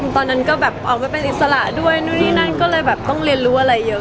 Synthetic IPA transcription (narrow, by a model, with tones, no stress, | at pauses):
t̪ɔː˧nːa˦˥nkɔː˥˩bɛː˨˩p̚ʔɔ̰ː˨˩k̚maː˧˩pe˧nʔi˨˩t̪̚sa˧la˨˩ʔdu˥˩əjnuː˧˥˩nʰiː˥˩na˥˩nkɔː˥˩lɤː˧jbɛː˨˩p̚t̪ɔ˥˩ŋɾi˧ənɾuː˦˥ʔa˧ɾa˧jːɤ˦˥